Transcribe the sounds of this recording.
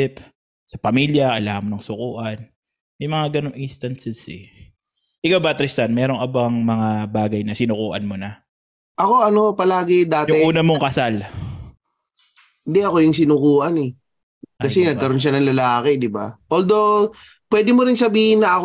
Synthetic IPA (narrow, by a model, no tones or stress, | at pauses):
ɪp | sɐpɐmiljɐkɐlaːhɐnmonɐŋsʊkuːʔɐn | mɐjmɐŋaɡɐnoŋʔɪnst̪ɐnsɛsɛ | ʔɪkawbat̪ɾɪst̪ɐnmɛːɾo̞ŋɐbaŋmɐŋabaːɡɐjnɐsɪnʊkuːʔɐnmonɐ | ʔɐko̞ʔɐno̞pɐlaːɡɪd̪aːt̪jʊɪŋʔuːnɐmoŋkɐsal | ɪnd̪ɛʔɐko̞jʊŋsɪnʊkuːʔɐnɛ | kɐsɛnɐɡkːɐɾo̞nʃ̬anɐŋlɐlaːkɪd̪ɪbaʔold̪ow | pwɛd̪ɪmoɾɪnsɐbiːhɪnːɐɐk